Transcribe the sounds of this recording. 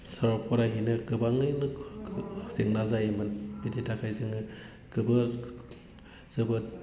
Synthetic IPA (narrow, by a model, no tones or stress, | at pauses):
saɾapʰɔɾaɦinɯɡɯbaŋɯjnɯ | zeŋnazajimɯnbidetakʰajzɯŋɯ | kɯbɯ | z̥ɯbɯ